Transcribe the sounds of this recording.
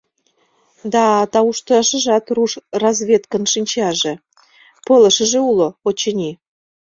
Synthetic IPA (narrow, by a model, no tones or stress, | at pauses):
d̪ɑt̪ɑuʃt̪əʃə̆ʒɑt̪ruʃrɑzβʲet̪kənʃɨnʲt͡ɕɑʒĕ | polə̆ʃə̆ʒĕuloot͡ɕenʲi